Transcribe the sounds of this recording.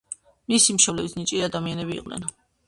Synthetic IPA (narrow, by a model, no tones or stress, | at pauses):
misimʃɔblɛbisnit͡ʃʼiad̪amianɛbḭːqʼnɛ̰n